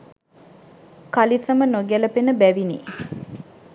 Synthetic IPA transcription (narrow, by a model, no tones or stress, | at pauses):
kalisəmənoɡæləpenəbæʋinḭ